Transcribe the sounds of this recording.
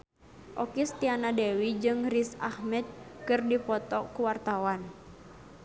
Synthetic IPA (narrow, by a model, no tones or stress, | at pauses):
ʔɔkist̪ianadɛwid͡ʒɨŋrisahmɛd̪̚kɨrdipɔt̪ɔkuwart̪awan